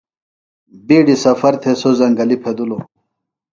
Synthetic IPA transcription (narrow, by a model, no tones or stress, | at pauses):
biːɖisɐfɐɾt̪ʰesozɐŋɡɐlipʰed̪ulo